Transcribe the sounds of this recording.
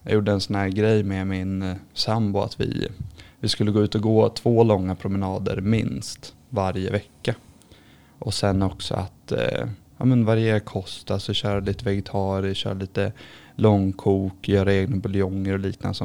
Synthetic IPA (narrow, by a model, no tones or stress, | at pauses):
jɑ̰juːɖːəɛnsɔnhæːɾɡɾɛjmɛmɪnsambʊa̰t̪vɪ̰vɪskɵlːəɡoːʉ̟ːt̪ɔɡoːt̪ʰvoːlɔŋːapʰɾʊmɛnɑːd̪ə̰ɾmɪ̰nst̪ | vaɾjə̰vɛkːa | ʔɔsɛnːɔksɔ̰a̰t̪ | ɑ̰ːmənvaɾɪjeːɾkʰɔst̪asɔɕœːɾaliːt̪əvɛɡɛt̪ʰɑːɾɪɕœ̰ːɾaliːt̪ə | lɔŋːkʰuːkɔjœːɾaeːɡnabʊlɪɔŋːəɾɔliːknanəsɔ